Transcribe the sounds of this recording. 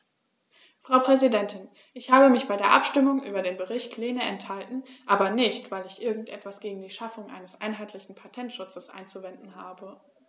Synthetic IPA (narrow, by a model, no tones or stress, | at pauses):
fʁ̥aʊpʁ̥ɛzidɛntɪn | ʔɪçhaːbəmɪçb̥aɪdeːɐʔa̰pʃtɪmʊŋʔy̰ːbɐdeːnbəʁɪçtʰleːnəɛnthaltn̩ʔaːbɐnɪçtv̥aɪlɪçʔɪɐɡŋ̩tʔɛ̰tv̥asɡ̥eːɡŋ̩diːʃafʊŋʔa̰ɪnəsʔa̰ɪnɦaɪtʰlɪçn̩pʰatʰɛntʃʊt͡səsʔa̰ɪnt͡suvɛndn̩ɦaːbə